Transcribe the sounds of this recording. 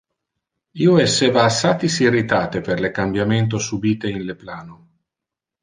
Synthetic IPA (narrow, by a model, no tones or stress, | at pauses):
iːoɛsːevaːsaːt̪isirit̪aːt̪eperlekambjament̪̬osubiːt̪einleplaːno